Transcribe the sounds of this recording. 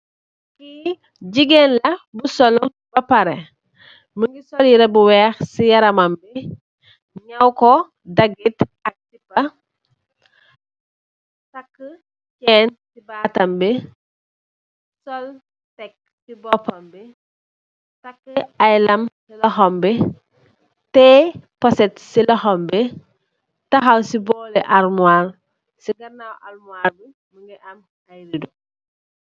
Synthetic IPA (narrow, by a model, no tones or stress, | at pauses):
ki | ɟiɡenlɐbusɔl | bɐpɐɾɛ | məŋɡisɔljiɾɐbuwɛːxsijɐɾɐmɐmbi | ɲɐwkɔ | dɐɡitɐk̚tibɐ | tɐkːə | cɛːntibaːtɐmbi | sol | tek̚ | sibɔpɐmbe | takːəajlɐmsilɐxombe | tɛposetsilɔxombe | tɐxawsiboleʔaɾmual | siɡɐnawa̰lmuaɾbi | miŋɡeʔɐm | ajɾidu